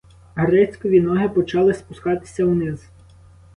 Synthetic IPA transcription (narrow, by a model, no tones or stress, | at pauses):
ɦɾɛt͡sʲkɔʋʲinɔɦɪpɔt͡ʃɑlˠɪspʊskɑt̪ɪ̥sʲɐwnɪz